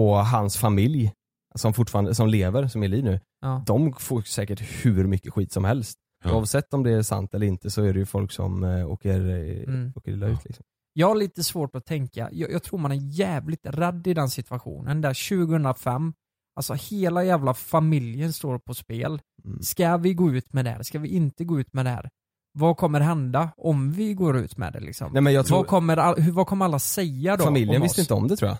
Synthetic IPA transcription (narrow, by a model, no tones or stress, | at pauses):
ɔɦansfamɪlj | sɔmfʊʈfɑːɾand̪əsɔmleːvəɾsɔmɛɭiːvnʉ̟ː | d̪ɔmfoːɾsɛːkəʈhʉɾmʏkːəɧiːt̪sɔmhɛlst̪ | ʊ̰ːɑvsɛt̪ːɔmd̪ɛæʂa̰nt̪ɛləɾɪnt̪əsɔæɖɛjɵfɔlksɔ̰mo̰ːkəɾ | oːkəɾɪlaʉ̟ːt̪lɪ̰ksɔm | jɑːɡhaɭiːt̪əsvoːʈɔt̪ʰɛŋka̰jɑjɑːɡt̪ʰɾuːmanæjɛːvlɪt̪rɛd̪ːɪd̪ɛnsɪt̪vaɧṵːnənd̪æɾɕʉ̟ːɡəhɵnd̪ɾafɛmː | alsɔheːlajæːvlafamɪljənst̪oːɾpʰɔspeːl | skavɪɡoːʉ̟ːt̪mɛd̪ɛhæ̰ːɾskavɪʔɪnt̪əɡoːʉ̟ːt̪mɛd̪ɛhæ̰ːɾ | vɑkʰɔmːəɾɦɛnd̪aɔmvɪɡoːɾʉ̟ːt̪mɛ̰d̪ɛ̰lɪ̰ksɔ̰mɛmɛnjɑt̪ʰɾvakʰɔmːəɾahvakʰɔmːəɾalːasɛjːad̪ɔfamɪljjənvɪst̪ɪnt̪əɔ̰md̪ɛt̪ʰɾuːja̰